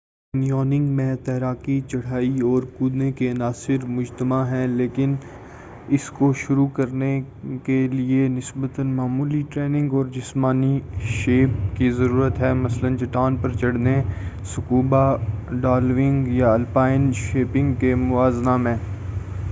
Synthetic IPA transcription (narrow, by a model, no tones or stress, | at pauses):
nijɔːnɪ̃ŋɡmẽt̪ɛɦɾaːkit͡ʃɐɽ̤aːiɔːɾkuːd̪nekeɐnaːsɪɾmʊd͡ʒt̪əmaɦɛ̃leːkɪn | ɪskoʃʊɾukɐɾne | kelienɪsbət̪ənmaːmuːliʈɾeːnɪ̃ŋɡɔːɾd͡ʒɪsmaːniʃeːpkizɐɾuːɾət̪ɦɛːmɐslənt͡ʃɐʈaːnpɐɾt͡ʃɐɽ̤nesʊkuːbaɖaːlʋɪ̃ŋɡjaɐlpaːɪnʃeːpɪ̃ŋɡkemʊʋaːznamẽː